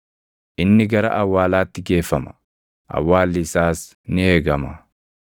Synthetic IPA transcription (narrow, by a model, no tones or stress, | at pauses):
ʔɪnːɪɡɐɾɐ̰ʔɐwːaːlaːt̪ːɪɡe̞ːfːɐmɐ̥ | ʔɐ̰wːaːlːɪsaːs | nɪeːɡɐmɐ